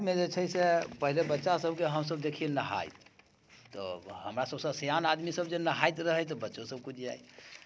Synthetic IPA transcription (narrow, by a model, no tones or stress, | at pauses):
med͡ʒet͡ʃʰəjsepəɦilebətːʃasəbkeɦəmsəb̚d̪ekʰijenəɦa̰jt̪ | t̪ɔ̰ɦəmɾasəbsə̃sejanad̪misəbd͡ʒenəɦajt̪ɾəɦət̪ɔbətːʃosəb̚kud͡ʒʰia̰j